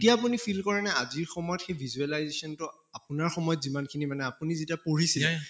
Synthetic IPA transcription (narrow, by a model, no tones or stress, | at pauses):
tijaːpunipʰilkɔɹanɛaziɹxɔmɔjɔtxejbʱizualajzesɔntʊ | apʊnaɹxɔmɔjɔtzimankʰinimanɛapunizitiapoɹisil